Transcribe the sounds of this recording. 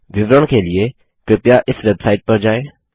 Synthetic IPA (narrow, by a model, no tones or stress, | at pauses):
ʋɪʋɾəɽ̃kʰelɪe | kɾɪpjaʔɪsʋɛbsaːɪʈ̚pɐɾd͡ʒaːeː